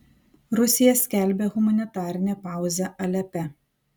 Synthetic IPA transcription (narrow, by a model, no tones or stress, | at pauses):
ɾʊsʲɪjɛsʲkʲæˑlʲbʲeːɣʊmɐnʲɪt̪ɑːɾʲɪnʲɛpɑˑʊzʲɛʔɐlʲɛpʲɛ